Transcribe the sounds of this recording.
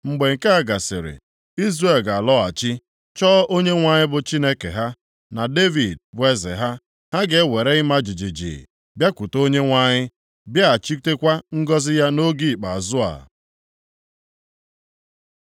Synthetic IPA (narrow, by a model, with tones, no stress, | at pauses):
ŋ͡m̩˨ɡ͡be˨ŋ̩˨ke˦a˦ɡa˨sɪ̰˨ɾɪ̰˨ | i˦zre˦˨e˨lɡa˨a˨lɔ˦a˨t͡ʃi˦ | t͡ʃɔ˦ʔo˦ɲe˦ŋʷa˨ɲɪ˦bʊ˨t͡ʃi˦ne˦kḛ˨ɦa˦ | na˨de˦vi˨d̚bʊ˨˦e˦zɪ̰˨ɦa˦ | ha˦ɡe˦we˨ɾe˦ɪ˦ma˦d͡ʒi˨d͡ʒi˨d͡ʒḭ˨ | bja˦kʷu˨to˦ɲe˦ŋʷa˦ɲɪ˦ | bja˦a˨t͡ʃi˦kte˦kʷa˦ŋ̩˦ɡɔ˦zɪ˦ja˦no˦ɡi˦i˨k͡pa˨zʊ˦a̰˨